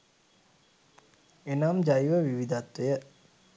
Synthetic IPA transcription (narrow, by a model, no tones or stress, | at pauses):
enamd͡ʒajiʋəʋiʋid̪at̪ːʋejə